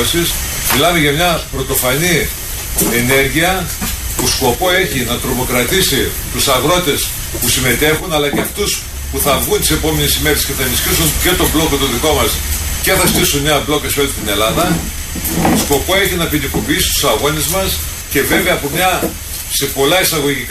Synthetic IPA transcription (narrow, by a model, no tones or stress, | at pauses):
sismilɐme̞ʝɐmɲɐpɾo̞t̪o̞fɐni | ene̞ɾʝiɐ | pusko̞po̞e̞çinɐt̪ɾo̞mo̞kɾɐt̪isi | t̪usɐɣɾo̞t̪e̞s | pusime̞t̪e̞xunɐlɐceɐft̪us | puθɐvɣunt̪i̥se̞po̞me̞nesime̞ɾe̞sce̞θɐenisçisunce̞t̪o̞blo̞kot̪oðiko̞mɐsce̞θɐst̪isumɲɐblo̞kɐsolit̪ine̞lɐðɐ | sko̞po̞e̞çinɐpinikopiisi̥st̪u̥sɐɣo̞nezmɐs | ce̞ve̞veɐpomɲɐ | sepo̞lɐisɐɣo̞ʝik